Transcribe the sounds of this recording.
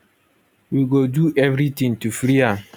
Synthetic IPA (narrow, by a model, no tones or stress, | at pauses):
wiɡoduʔɛvɾit̪ĩŋtufɾia